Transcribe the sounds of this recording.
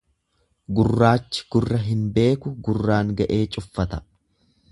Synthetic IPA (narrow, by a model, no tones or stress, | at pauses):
ɡʊrːaːt͡ʃːɪ̥ɡ̥ʊrːɐɦɪnbe̞ːkʊɡʊrːaːŋɡɐʔe̞ːt͡ʃʼʊfːɐt̪ɐ̥